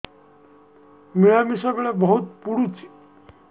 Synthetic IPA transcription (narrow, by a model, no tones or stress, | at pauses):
miɭamisaɡɭɛbəɦut̪̚puɽut͡ɕi̥